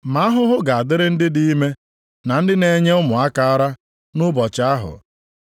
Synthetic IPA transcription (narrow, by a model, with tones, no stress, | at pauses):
ma˦a˦ɦʊ˦ɦʊ˦ɡa˨a˨dɪ˦ɾɪ˦n̩˦dɪ˦di˦i˦me˦ | na˨n̩˦dɪ˦ne˨ɲe˦ʊ˦mʊ˨a˦ka˨a˦ɾa˦ | nʊ˦bɔ˨t͡ʃa˦ɦʊ̰˨